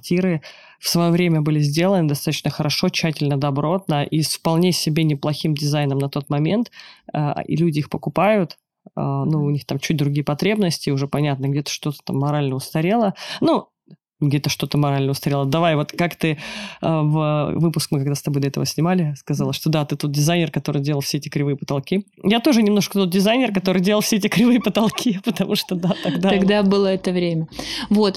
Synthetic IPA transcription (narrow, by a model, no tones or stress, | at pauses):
kɐrtʲiɾɨ | fsvɐjovɾʲemʲəbɨlʲɪzʲdʲe̞lˠənɨd̪ɐst̪at̪ə̥t͡ɕnəxəɾʔɐʂo̞t͡ɕːætʲɪlʲnəd̪ɐbɾo̞t̪nəʔisfpɐlˠnʲesʲɪbʲenʲɪplˠɐxʲimdʲɪzajnəmnɐt̪o̞t̪mɐmʲe̞nt̪ə̰ḭlʲudʲɪixpəkʊpajʊt̪ | ənuʊnʲixt̪amt͡ɕut̚ʲd̪ɾʊɡʲijəpɐt̪ɾʲe̞bnəsʲtʲɪʊʐɛpɐnʲat̪̚nəɡdʲet̪ə̥ʂt̪o̞t̪ə̥t̪amːɐɾalʲnəʊst̪ɐɾʲe̞lˠənu | ɡdʲet̪əʂt̪o̞t̪əmɐɾalʲnəʊst̪ɐɾʲe̞lˠəd̪ɐvajvo̞t̪kakt̪ɨəvəvɨpʊskmɨkɐɡd̪ast̪ɐbo̞jd̪ɐɛt̪əvəsʲnʲɪmalʲɪskɐzalˠəʂt̪o̞d̪at̪ɨt̪ot̪̚ʲdʲɪzajnʲɪrkɐt̪o̞ɾɨjdʲeəlˠfsʲeɛtʲɪkɾʲɪvɨjəpə̥t̪ɐlˠkʲi | jat̪o̞ʐɨnʲɪmno̞ʂkə̥t̪o̞t̪̚ʲdʲɪzajnʲɪrkɐt̪o̞ɾɨjdʲeləlˠfsʲeɛtʲɪkɾʲɪvɨjəpət̪ɐlˠkʲʰipət̪ɐmuʂt̪od̪at̪ɐɡd̪aɐɡd̪abɨlˠəɛt̪əvɾʲemʲəvot̪